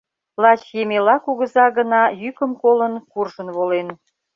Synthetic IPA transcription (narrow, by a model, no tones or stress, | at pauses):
lɑt͡ɕjemelɑkuɣə̆zɑɣənɑjykəmkolənkurʒənβolen